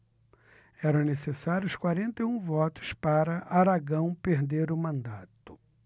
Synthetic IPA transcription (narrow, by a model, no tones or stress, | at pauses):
ɛɾɐ̃w̃nesesaɾjʊskwaɾẽnt̪eũvɔt̪ʊ̥spaɾɐʔaɾaɡɐ̃w̃peɾd̪eɾʊmɐ̃nd̪at̪ʊ̥